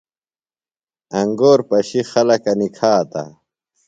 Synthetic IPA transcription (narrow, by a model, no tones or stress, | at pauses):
ɐŋɡoːɾpɐɕixɐlɐkɐnikʰaːt̪a̰